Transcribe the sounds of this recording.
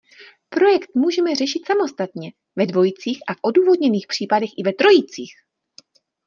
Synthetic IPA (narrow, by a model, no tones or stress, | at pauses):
pɾo̞jɛkt̪muːʒɛmɛr̝ɛʃɪt̪samo̞st̪at̪ɲɛ | vɛdvo̞jit͡siːxʔafʔo̞duːvo̞dɲɛniːxpr̝̥iːpadɛxʔɪvɛt̪ɾo̞jit͡siːx